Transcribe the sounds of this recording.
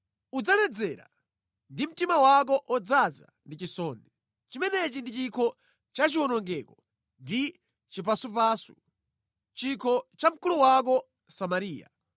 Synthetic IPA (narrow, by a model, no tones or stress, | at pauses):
ud͡zanɛd͡zɛɾa̰ | ndim̩timawak̬ɔʔɔd͡zaza̰ndit͡ʃisɔːnɛ | t͡ʃimɛnɛt͡ʃindit͡ʃikʰɔ | t͡ʃat͡ʃiwɔnɔŋɡɛkɔ | ndi | t͡ʃipasupaːsṵ | t͡ʃikʰɔt͡ʃam̩kuluwak̬ɔ | samaɾiːja̰